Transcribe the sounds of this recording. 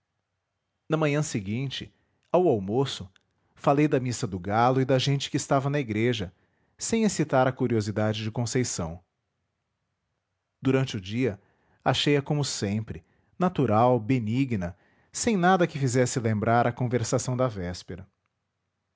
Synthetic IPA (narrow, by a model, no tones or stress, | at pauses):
nɐmɐ̃ɲɐ̃seɡĩnt͡ʃɪ | awawmosʊ | falejd̪ɐmisɐd̪ʊɡalʊɪd̪ɐʒẽnt͡ʃɪ̥kɪːst̪avɐnɐiɡɾeʒɐ | sẽj̃esit̪aɾɐkuɾiozid̪ad͡ʒɪd͡ʒɪkõsejsɐ̃w̃ | d̪̥uɾɐ̃nt͡ʃɪʊd͡ʒiɐ | aʃejɐkõmʊsẽpɾɪ | nat̪uɾawbeniɡnɐ | sẽj̃nad̪ɐkɪfizɛsɪlẽmbɾaɾɐkõveɾsasɐ̃w̃d̪ɐvɛspeɾɐ